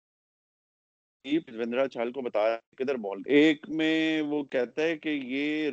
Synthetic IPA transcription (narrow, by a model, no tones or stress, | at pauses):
iːpsʋɪ̃nd̪ɾat͡ʃʰaːlkobɐt̪aːjakəd̪əɾmɔːleːkmẽʋokɛɦt̪aɦɛkejeːɾ